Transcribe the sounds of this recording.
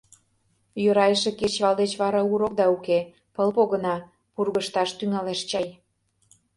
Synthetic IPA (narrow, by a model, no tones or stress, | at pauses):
jøɾɑjʒĕket͡ɕβɑld̪et͡ɕβɑɾɑuɾokd̪ɑuke | pəlpoɣə̆nɑ | purɣəʃt̪ɑʃt̪yŋɑleʃt͡ɕɑj